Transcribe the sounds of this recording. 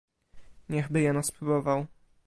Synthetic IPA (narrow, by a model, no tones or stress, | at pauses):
ɲɛɣbɘjɛnaspɾubɔvaw